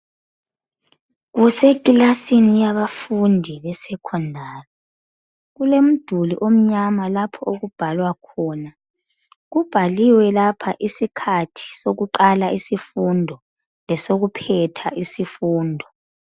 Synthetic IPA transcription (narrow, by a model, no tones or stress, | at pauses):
ɣusekʼilasinijaβafundʱiβɛsɛkʰɔndʱaːrɛ | ɣulem̩d̥ʱuliʔom̩ɲamalapʰɔoɣub̥ʱalwakʰɔːna | ɣub̥ʱaliwɛlapʰaʔisikʰatʰi̥soɣuǃalaʔisifundʱɔ | lɛsoɣupʰɛtʰaʔisifuːndʱɔ